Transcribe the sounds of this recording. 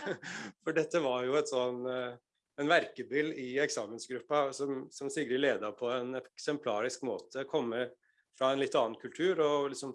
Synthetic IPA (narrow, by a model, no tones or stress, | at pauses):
fɔɖɛt̪ːəʋɑɾjʊɛt̪sɔn | ɛnʋæɾkəbɪlːɪɛksɑːmənsɡɾʉpːɑsɔmsɔmsɪɡəlɪleːd̪ɑpʰɔɛnɛksɛmpʰlɑːɾɪskmoːt̪ʰəkʰɔmːə | fɾɑɛnlɪt̪ːɑːənkʰʉlt̪ʰʉːɾɔlɪksɔm